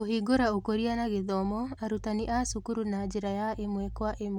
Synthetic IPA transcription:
ohiɡoɾaokoɾianaɣeðɔmɔaɾutaniʔasukuɾunad͡ʒeɾajaʔemwɛkwaʔem

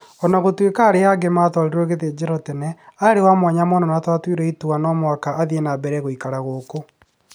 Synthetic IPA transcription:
ɔnaɣotwekaːɾeaɡematɔɾiɾoɣeðeːd͡ʑɛɾɔtɛnɛaɾewamwaɲamɔnɔnatwatwiɾɛituanɔːmwakaʔːðienabɛɾɛɣoikaɾaɣoko

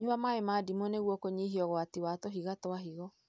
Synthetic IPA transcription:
ɲuβamaemaːdimoneɣwɔkoɲiɦiɔɣɔatiwatɔɦiɣatɔaɦiɣɔ

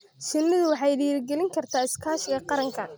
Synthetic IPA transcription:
ʃɪnmɪðʊwɑħɑjɖiːɾɡɛlɪŋkʰɐrt̪ʰaːɪskʰaːʃɪɣɐqɑɾɐŋkʰɐ

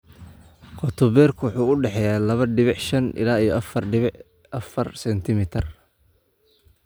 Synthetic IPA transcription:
qɔt̪ʰɔbɛːrkʰwʊħuːʊɖɛħɛjaːlɐβɐɖɪβɪʕʃɐnʔɪ̰laːijɔʔɐfɐrɖɪβɪʕ | ʔɐfɐrsɛnt̪ʰɪmɪt̪ʰr

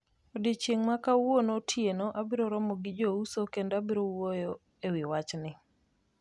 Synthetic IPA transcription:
odit͡ʃjeŋmakawonotʰjenoʔabɪɾoɾɔmɔɡɪd͡ʒousokendabɪɾowojo | ewɪwat͡ʃnɪ

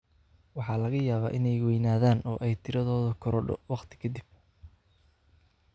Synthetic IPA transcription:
wɑħɑːlɐɣɐjaːβaːʔɪnɛjwɛjnaːðaːnɔːʔɛjt̪ʰɪɾɐðɔːðʊkʰɔɾɔɖɔ̰wɑqt̪ʰɪ̥kʰɐd̪ib̚

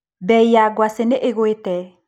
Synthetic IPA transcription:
bɛijaɡwaseneʔeɣwetɛ

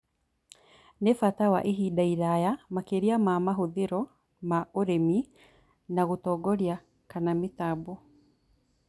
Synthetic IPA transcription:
nefatawa̰ʔeɦidaiɾajamakeɾiamamaɦoðeɾɔ | maoɾemi | naɣotɔːɡɔɾja | kanametabu

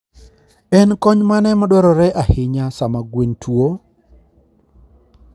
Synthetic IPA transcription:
ɛnkɔɲmanɛmadwɔɾɔɾɛʔahɪɲasamaɡwentwo

